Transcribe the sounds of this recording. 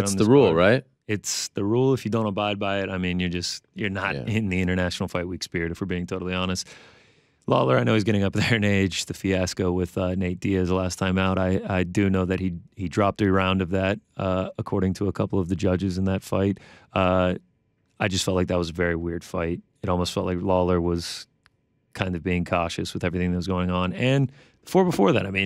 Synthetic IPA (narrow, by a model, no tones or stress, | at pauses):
sðəɹulˠɹaɪt̚ | ɪtsðɨɹulˠəfjɨdõʊ̃ntəbaɪd̚baɪɪɾaɪmĩnjə˞d͡ʒʌst̚jə˞nəɾɪ̃nðiɪ̃ɾ̃ə˞næʃn̩l̩ˠfaɪt̚wikspɪɹiɾɨfə˞biɪ̃ŋtʰoʊɾl̩ˠiɑñɨst̚ | lɑ̰lˠə˞aɪnoʊɨzɡɛɾɪ̃ŋʌp̚ðə˞ɨ̃neɪd͡ʒðɨfiæskoʊwɪð̥ʌneɪt̚d̥iɛzlæstʰãɪ̃maʊɾaɪaɪdɨnoʊðɨt̚hihidɹɑp̚tɨɹãʊ̃ndʌvðæɾ̚ʌəkʰɔɹɾɪ̃ŋtʰəːkʰʌpl̩ˠʌvðɨd͡ʒʌd͡ʒɨzɨ̃n̩ðɨtfaɪt̚ʌ | aɪd͡ʒʌstfɛlˠtˡlaɪk̚ðət̚wʌzəvɛɹiwɪɹd̥faɪt̚ | ɨɾɔlˠmoʊstfɛlˠʔlaɪklɔlˠə˞wʌz̥ | kʰãɪ̃ndʌvbiɪ̃ŋkʰɔʃɨ̰swɨðɛvɹiθɪ̃ŋðɨt̚wʌzɡoʊɪ̃ŋə̃nɨ̃n | fə˞bəfɔɹðæɾaɪmĩn